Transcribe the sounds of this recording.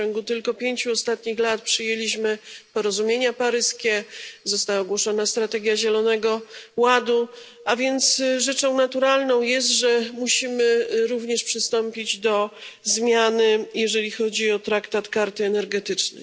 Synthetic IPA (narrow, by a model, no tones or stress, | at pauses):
t͡ɕɔŋɡut̪ɘlkɔpʲjeɲt͡ɕuɔst̪at̪ɲixlat̪pʂɘjelʲiɕmɘpɔɾɔzumʲjeɲapaɾɘskʲɛzɔst̪awaɡwɔʂɔnast̪ɾat̪ɛɡʲjaʑɛlɔnɛɡɔwad̪u | avʲjɛnt̪sʐɛt͡ʂɔ̃w̃nat̪uɾalnɔ̃w̃jɛst̪ʐɛmuɕimɘɾuvɲɛʂpʂɘst̪ɔmpʲid͡ʑd̪ɔzmʲjanɘjɛʐɛlʲixɔd͡ʑiɔt̪ɾakt̪at̪kaɾt̪ɘɛnɛɾɡɛt̪ɘt͡ʂnɛ̰j